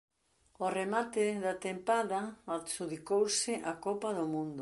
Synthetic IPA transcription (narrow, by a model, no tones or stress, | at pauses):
oremat̪ɪðɐt̪empaðɐasuðikowsɪʔakopɐðʊmũnd̪ʊ